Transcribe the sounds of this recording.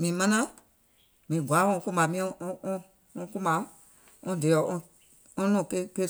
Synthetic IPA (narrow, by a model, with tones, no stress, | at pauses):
mĩ˨mã˧nã˦ | mĩ˨ɡʷa˨˦ɔ̃˧˦kũ˦mã˨mĩ˧˦˧ɔ̃˧ | ɔ̃˧ku˦mã˧˦ | ɔ̃˧de˨ɔ˨˦ʔɔ̃˧ | ɔ̃˦nũ˦˨ke˦ke˦